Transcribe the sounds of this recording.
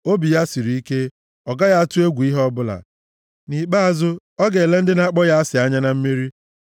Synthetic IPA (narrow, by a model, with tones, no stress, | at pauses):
o˦bi˨ja˦si˨ɾi˨˦i˦ke˦ | ɔ˨ɡa˦ja˦a˦tʊ˦e˦ɡʷu˨i˦ɦɔ˦bʊ˦la̰˨ | ni˨k͡pa˦a˨zʊ˦ | ɔ˦ɡe˨e˨le˦n̩˦dɪ˦na˦k͡pɔ˦ja˦a˦sɪ˨a˦ɲa˦na˨m̩˦mi˦ɾi˦